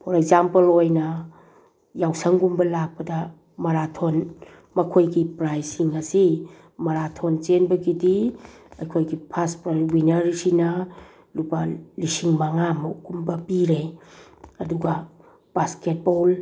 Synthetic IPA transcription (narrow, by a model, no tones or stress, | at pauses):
pʰoɾekzampelojnɐ | jawsɐŋɡumbɐlak̚pɐdɐ | mɐɾatʰon | mɐkʰojɡipɾajsiŋɐsi | mɐɾatʰont͡ʃenbɐɡidi | ɐjkʰojɡipʰaspɾawinɐɾisinɐ | lupɐlisiŋmaŋamuɡumbɐpiɾe | ɐduɡɐ | b̥asket̚bol